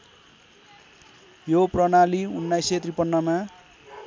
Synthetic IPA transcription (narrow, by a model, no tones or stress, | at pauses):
joprʌnaliunːajset̪ripʌnːʌma